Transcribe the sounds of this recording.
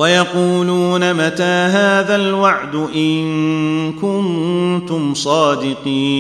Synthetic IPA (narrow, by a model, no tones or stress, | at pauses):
wajɑquːluːnamat̪aːɦaːðalwaʕd̪ʊʔɪnnkʊnt̪ʊmsˤɑːd̪ɪqiːn